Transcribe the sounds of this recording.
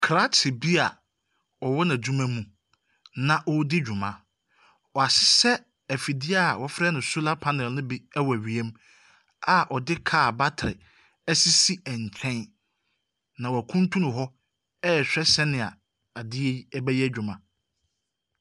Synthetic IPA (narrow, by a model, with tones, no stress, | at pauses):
kʰɾa˦tʰɪ˨bi˦a˨ | ɔ˨wɔ˦nã˨d͡ʑũ˦mæ̃˦mũ˨ | nã˨ʔɔ˦dɪ˦d͡ʑᶣu˨mã˦ | ɔ˨a˨sɪ̥˦sɛ˦ | æ˨fi˨dɪ˦a˨wɔ˨fɾɛ˦nʊ̃˨su˦la˦pʰã˦nɪ̃˨lnʊ̃˦bi˦ɛ˦wɔ˨æ˨ɥi˨e˦m | a˨ʔɔ˨dɪ˦kʰa˦˨ba˦tʰɾɪ˨ | ɛ˦si˦si˦ɛ˨ɲ˨t͡ɕʰɛ̃˦n | nã˨wɔ˨æ˨kʰũ˦n˦tʰũ˦nʊ̃˨ɦɔ˦ | ɛ˦ɛ˨ɕᶣɛ˦sɛ˦nɪ̃˨a̰˨ | a˨dɪ˦ɛ˦ɛ˦bɛ˦jɛ˦d͡ʑᶣʊ˨mã˦